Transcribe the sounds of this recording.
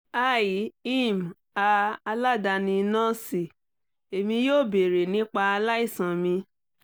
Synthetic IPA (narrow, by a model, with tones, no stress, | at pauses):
a˦˨ji˨˦i˦˨m˨ | a˧a˧la˦˨da˧nĩ˧nɔ̃˦si˨ | e˨mĩ˧joː˦˨be˨ɾe˨nĩ˦k͡pa˧a˧la˦i˦˨sã˨mĩ˧